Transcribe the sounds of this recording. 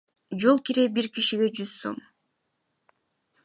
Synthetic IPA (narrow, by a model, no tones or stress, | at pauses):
d͡ʒo̞lˠkiɾebiɾkiʃiɡe̞d͡ʒyzso̞̰m